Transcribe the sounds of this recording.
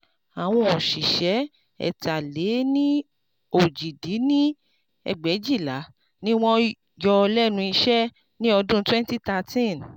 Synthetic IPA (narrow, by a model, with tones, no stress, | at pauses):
a˨w̃ɔ̃˧ɔ˨ʃi˨ʃɛ˨˦ | ɛ̰˨ta˨le˨˦nĩ˦ | o˨d͡ʒi˨di˨˦nĩ˦ | ɛ̰˧ɡ͡bɛ˨˦d͡ʒi˦˨la˨˦ | nĩ˦w̃ɔ̃˦ | jɔ˧lɛ˦nũ˧i˧ʃɛ˦ | nĩ˦ɔ˧dũ˦twɛ̃˦n˦ti˦ta˧tĩ˦˨n